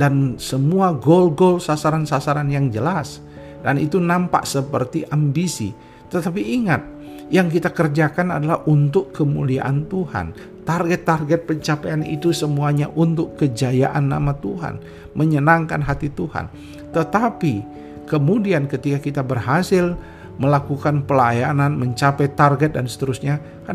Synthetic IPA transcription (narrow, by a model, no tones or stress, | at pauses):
dansəmuaɡolɡolsasaɾansasaɾanjaŋd͡ʒəlas | danḭt̪unampa̰ʔsəpərt̪iʔambisḭ | t̪ət̪ap̬iːŋat̪̚ | jaŋkit̪akərd͡ʒakana̰dalahʔunt̪ʊkːəmṵlia̰ʔant̪uha̰n | t̪arɡɛt̪ːarɡɛt̪̚pəɲt͡ʃapejanḭt̪usəmuaɲa̰ʔunt̪ʊkːəd͡ʒaja̰ʔanːa̰mat̪uɦa̰n | məɲənaŋkanɦat̪it̪uha̰n | t̪ət̪api | kəmudiankət̪ikakit̪abərɦasɪl | məlakukanpəlajananməɲt͡ʃapɛjt̪arɡɛt̪̚dansə̥t̪əɾusɲa | ka